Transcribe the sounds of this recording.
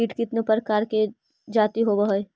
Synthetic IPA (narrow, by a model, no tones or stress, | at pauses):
iːʈkɪt̪nẽpəɾkaːɾke | d͡ʒaːt̪iɦobəɦoe